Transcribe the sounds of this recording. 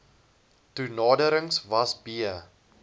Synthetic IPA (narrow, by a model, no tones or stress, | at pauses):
tunɑːdəɾəŋsvɐsbiə